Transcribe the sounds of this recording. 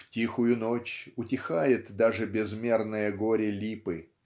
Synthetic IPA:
ftʲixʊjʊno̞t͡ɕʊtʲɪxajɪt̪d̪aʐɨbʲɪzmʲe̞rnɨjəɡo̞ɾʲɪlʲipɨ

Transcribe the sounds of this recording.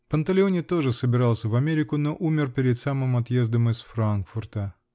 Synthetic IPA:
pənt̪ɐlʲɪonʲɪt̪o̞ʐɨsəbʲɪɾɑlˠsʲəvɐmʲeɾʲɪkʊno̞ʔumʲɪrpʲɪɾʲɪd̪samɨmɐt̪je̞zd̪əmɨsfɾankfʊrt̪ə

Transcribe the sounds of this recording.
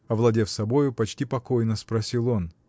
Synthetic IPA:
ɐvlˠɐdʲefsɐbo̞jʊpɐt͡ɕtʲipɐkojnəspɾɐsʲilˠo̞n

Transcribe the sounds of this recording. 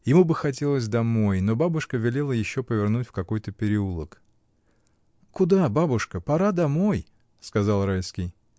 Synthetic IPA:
jɪmubɨxɐt̬ʲe̞lˠəs̬ʲd̪ɐmo̞jno̞babʊʂkəvʲɪlʲelˠəjɪɕːo̞pəvʲɪrnutʲfkɐko̞jt̪əpʲɪɾʲɪulˠək | kʊd̪ababʊʂkəpɐɾad̪ɐmo̞j | skɐzɑlˠɾajskʲɪj

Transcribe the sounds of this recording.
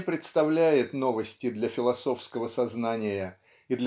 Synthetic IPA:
pɾʲɪt̪st̪ɐvlʲæjɪt̪no̞vəsʲtʲɪd̪lʲɐfʲɪlˠɐso̞fskəvəsɐznanʲɪjə | ɪd̪lʲ

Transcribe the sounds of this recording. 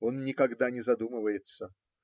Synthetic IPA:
o̞nnʲɪkɐɡd̪anʲɪzɐd̪uməvəjɪt̪sə

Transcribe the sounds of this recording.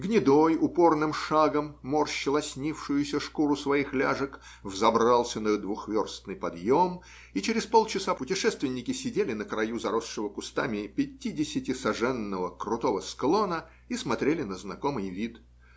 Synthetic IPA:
ɡnʲɪd̪ojʊpo̞rnɨmʂaɡəmːorɕːɪlˠɐsʲnʲifʂɨjʊsʲəʂkuɾʊsvɐixlʲaʐɨk | vzɐbɾalˠsʲənəd̪vʊxvʲo̞rst̪nɨjpɐd̪jo̞m | it͡ɕɪɾʲɪspo̞lˠt͡ɕɪsapʊtʲɪʂɛst̪vʲɪnʲːɪkʲɪsʲɪdʲelʲɪnəkɾɐjuzɐɾo̞sʂɨvəkʊst̪amʲɪpʲɪtʲːidʲɪsʲɪtʲɪsɐʐɛnːəvəkɾʊt̪o̞vəsklˠo̞nə | ismɐt̪ɾʲelʲɪnəznɐko̞mɨjvʲit̪

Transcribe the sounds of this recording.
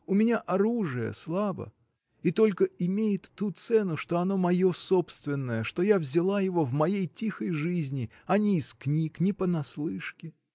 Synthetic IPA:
ʊmʲɪnʲaʔɐɾuʐɨjə̰slˠabə̰ | it̪o̞lʲkəɪmʲejɪt̪ːut̪sɛnʊʂt̪o̞ɐno̞mɐjo̞so̞pst̪vʲɪnːəjəʂt̪o̞javzʲɪlˠajɪvo̞vmɐjejtʲixəjʐɨzʲnʲɪ | ɐnʲɪːsknʲiknʲɪpənɐslˠɨʂkʲɪ

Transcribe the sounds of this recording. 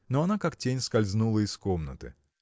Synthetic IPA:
noɐnakaktʲenʲskɐlʲznulˠəɪskomnə̰t̪ɨ̰

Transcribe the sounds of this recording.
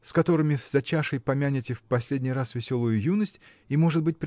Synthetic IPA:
skɐt̪o̞ɾɨmʲɪvz̥ɐt͡ɕaʂɨjpɐmʲanʲɪtʲɪfpɐsʲlʲedʲnʲɪjrasvʲɪsʲo̞lˠʊjʊjunəsʲtʲ | imo̞ʐɨt̪̚bɨt̚ʲpɾʲ

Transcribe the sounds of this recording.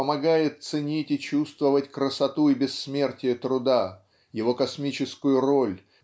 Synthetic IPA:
əmɐɡajɪt̪̚sɨnʲitʲɪt͡ɕust̪vəvətʲkɾəsɐt̪uɪbʲɪsːmʲe̞rtʲɪjət̪ɾʊd̪a | jɪvo̞kɐsmʲit͡ɕɪskʊjʊro̞lʲ

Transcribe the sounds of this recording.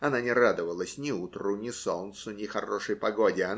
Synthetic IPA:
ɐnanʲɪrad̪əvəlˠəsʲnʲɪut̪rʊnʲɪsolnt̪sʊnʲɪxɐroʂɨjpɐɡodʲɪɐn

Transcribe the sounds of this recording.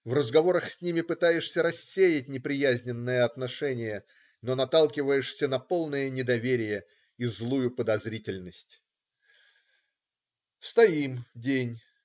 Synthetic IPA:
vrəzɡɐvo̞ɾəxsʲnʲimʲɪpɨt̪ajɪʂsʲəɾɐsʲːejɪtʲnʲɪpɾʲɪjæzʲnʲɪnːəjəɐt̪nɐʂɛnʲɪjə | no̞nɐt̪alˠkʲɪvəjɪʂsʲənɐpo̞lˠnəjənʲɪd̪ɐvʲeɾʲɪjə | izlˠujʊpəd̪ɐzɾʲitʲɪlʲnəsʲtʲ | st̪ɐimdʲenʲ

